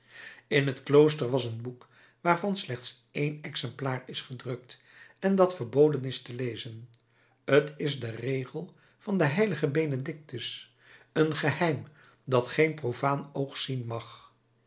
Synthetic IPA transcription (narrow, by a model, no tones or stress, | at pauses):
ɪnɦətklows̬təɹʋɑsənbuk | ʋaːɹvɑnslɛχts | ejnɛksɛmplaːrɪsχədrɵk̚t | ɛndɑtfəɹbowdənɪstəlejzən | ətɪzdərejχəlˠ | v̥ɑndəɦɛjləχəbejnədɪk̚təs | ənχəhɛjm | dɑtχejnprofaːnowχsinmɑχ